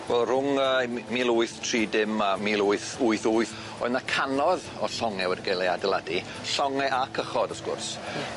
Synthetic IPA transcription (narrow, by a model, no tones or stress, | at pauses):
wɛlˠr̥ʊŋəːmilˠʊɨθtʰriːdɪmamiːlˠuɨθuɨθuɨθ | ɔ̰ɨðnakʰanɔð | ɔɬɔŋɛwɛdiɡejlˠeadɛlˠadi | ɬɔŋɛʔakʰəχɔdəsɡʊ̰rs